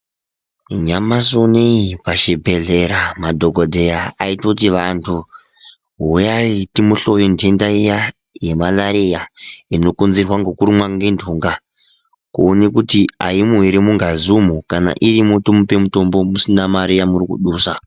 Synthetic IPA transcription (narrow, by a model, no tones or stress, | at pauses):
ɲamasoneipaʃibʱe̞ɮe̞ɾamadʱoɡʱodʱe̞jaaitot̬iʋantʰu | ɦujaitimuɬo̞jondendaija | je̞malaɾijaino̞konzirwaŋɡo̞kuɾimwaŋɡendʰʱuːŋɡa | kuonekutiaimuɦiɾemuŋɡazumukana̰ʔirimutomope̞muto̞mbo̞musinamaɾijamurikṵɗuːsa